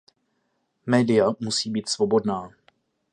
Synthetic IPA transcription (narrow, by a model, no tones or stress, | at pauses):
mɛːdɪjamusiːbiːt̪svobo̞dnaː